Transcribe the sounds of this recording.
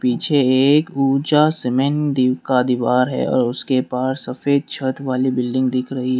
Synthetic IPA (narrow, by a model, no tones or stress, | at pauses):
piːt͡ʃʰeːkuːd͡ʒasɪmẽnd̪iːwkad̪iʋaːɾɦɛ̰ɔ̰ːɾʊskepaːssɐfeːd̪̚t͡ʃʰət̪ʋaːlibɪlɖɪ̃ŋɡd̪ɪkʰɾɐɦiɦɛ